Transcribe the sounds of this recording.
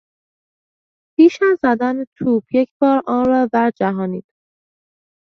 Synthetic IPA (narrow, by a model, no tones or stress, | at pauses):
pʰiːʃæzːæd̪ænt̪ʰuːbjecʰbɒːɾɒːnrɒːd̪æɾd͡ʒæɦɒːniːd̪̥